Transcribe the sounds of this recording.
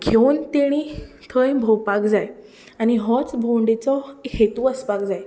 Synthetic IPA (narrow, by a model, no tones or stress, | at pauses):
ɡʱewnt̪eɽ̃i | t̪ʰəjbʱɔwpakd͡zaj | añiɦɔt͡sbʱoɳɖet͡sɔhet̪uəspakd͡zaj